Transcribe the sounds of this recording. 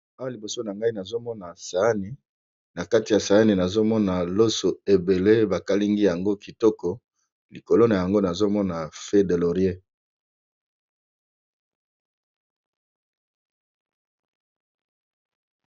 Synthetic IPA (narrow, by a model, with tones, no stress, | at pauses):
a˦wa˦li˨bo˨so˦na˨ŋɡa˦i˦na˨zo˦mɔ˦na˨sa˨a˦ni˨ | na˨ka˦ti˨ja˨sa˨a˦ni˨na˨zo˦mɔ˦na˨lo˦so˨e˨be˨le˦ba˨ka˦li˦ŋɡi˦ja˨ŋɡo˦ki˨tɔ˦kɔ˨ | li˨ko˨lo˦na˨ja˨ŋɡo˦na˨zo˦mɔ˦na˨fe˦de˨lo˨ʁje˦